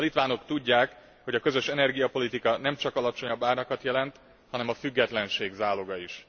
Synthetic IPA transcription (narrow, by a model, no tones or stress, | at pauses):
ɒlit̪ʋaːno̞kt̪uɟːaːk | ho̞ɟɒkøzø̞ʃɛnɛrɡijɒpo̞lit̪ikɒnɛmt͡ʃɒkɒlɒt͡ʃo̞ɲɒbːaːrɲɒkɒt̪jɛlɛnt̪ | hɒnɛmɒfyɡːɛt̪lɛnʃeːɡzaːlo̞ɡɒiʃ